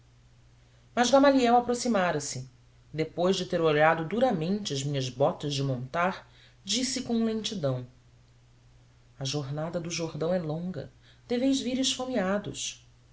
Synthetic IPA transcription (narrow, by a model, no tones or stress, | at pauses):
mɐzɡamaliɛwapɾosimaɾɐsɪ | d̪epojzd͡ʒɪt̪eɾoʎad̪ʊd̪uɾɐmẽnt͡ʃɪɐzmĩɲɐzbɔt̪ɐzd͡ʒɪmõnt̪aɾ | d͡ʒisɪkõw̃lẽnt͡ʃid̪ɐ̃w̃ | ɐʒoɾnad̪ɐd̪ʊʒoɾd̪ɐ̃w̃ɛlõŋɡɐ̰ | d̪̥ɛvẽj̃zviɾɪʃfomiad̪ʊ̰s